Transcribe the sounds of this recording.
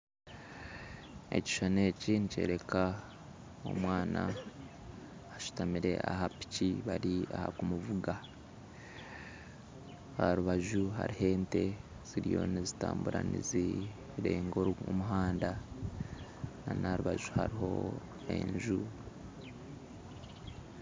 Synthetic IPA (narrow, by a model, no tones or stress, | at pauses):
e̞̰ci̥ʃanecinice̞̰ːɾe̞ka | o̞̰mwaːna | ʃu̥tamiɾe̞ʔaɦapi̥ciβaɾiaha̰kumuvuɡa | aɾuβaʒuɦa̰ɾihe̞ːnte̞ | z̥iɾijo̞̰nizitaːmbuɾanḭzi | iɾe̞ːŋɡoumuɦaːnda | nanaɾuβaʒuha̰ɾiho̞ | e̞̰ɲʒu